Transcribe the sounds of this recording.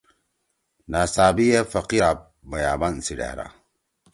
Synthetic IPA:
naːsaːbijefɐqiɾap̚ | bɐjaːbansiɖḛhɾa̰

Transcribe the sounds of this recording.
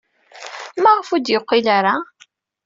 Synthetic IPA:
maʁfud̪jəqːilaɾa

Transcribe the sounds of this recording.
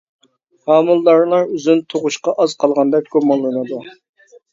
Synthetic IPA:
hɑːmulˠːɑɾlˠɑɾyzynt̪ʰoʁʊʃqɑʔɑz̥qʰɑlˠʁɑnd̪ɛk̚ʲɡ̥omɑlˠlˠɨnɨd̪u

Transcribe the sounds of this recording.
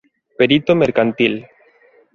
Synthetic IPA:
peɾit̪omeɾkant̪il

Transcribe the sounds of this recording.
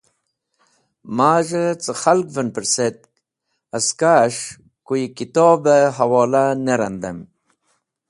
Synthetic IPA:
maːʐət͡səxalkvənpəɾset̪̚ | əskaʂ | kujikit̪oːbeɦɐwɔːlaneɾɐnd̪əm

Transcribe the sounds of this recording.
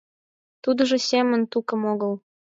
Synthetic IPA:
t̪ud̪ɤ̆ʒɤ̆sʲemə̆nt̪ukə̆moɣəl

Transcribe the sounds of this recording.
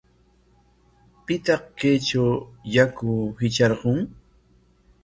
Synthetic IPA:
pɪt̪ɑqkajt͡ʃawjakʊhɪt͡ʃɑɾɢʊŋ

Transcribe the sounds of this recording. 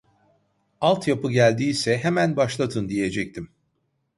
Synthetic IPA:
alˠt̪japɯɟælʲd̪iːsɛɦemænbaʃlˠat̪ʰɯnd̪ije̞d͡ʒɛc̚t̪ʰim

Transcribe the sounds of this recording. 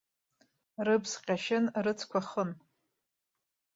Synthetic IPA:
rɨpʰsqʲʼaʃɪnrɨt͡sʰkʷʰaχən

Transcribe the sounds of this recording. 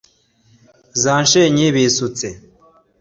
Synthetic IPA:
zaːnʃeɲiβisut͡se

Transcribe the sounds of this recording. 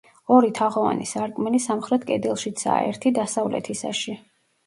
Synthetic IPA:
ɔɾit̪ʰaʁɔva̰nisaɾkʼmɛlisamχɾɛt̪ʰkʼɛd̪ɛlˠʃit̪sʰa̰ɛ̰ɾt̪ʰid̪asavlɛ̰t̪ʰisa̰ʃi

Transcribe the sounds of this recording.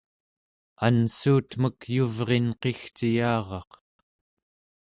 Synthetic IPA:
ansuːt̪məkjuvʁe̞nqe̞xt͡ʃijɑːʁɑq

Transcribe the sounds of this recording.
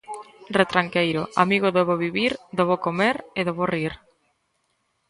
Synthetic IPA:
ret̪ɾaŋkejɾo̰amiɣoðeβoβiβiɾd̪oβokomeɾeðoβoriɾ

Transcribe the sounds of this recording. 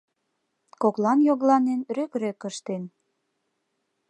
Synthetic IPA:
koklɑnjoɣlɑnenɾøkrøkəʃt̪en

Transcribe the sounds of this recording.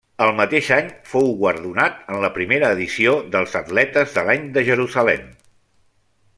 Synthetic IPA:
əlˠmət̪eʃaɲfowɣwəɾðunat̪ənləpɾimeɾəːðisioðəlˠzət̪lɛt̪əzðəlaɲd̪əʒəɾuzəlɛm

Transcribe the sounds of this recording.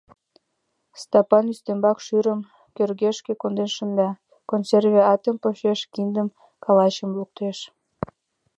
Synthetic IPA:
st̪ɑpɑnyst̪embɑkʃyɾəm | kørɣeʃkekond̪enʃənd̪ɑ | konservʲeɑt̪əmpoʃeʃkind̪əm | kɑlɑt͡ɕəmluk̚t̪eʃ

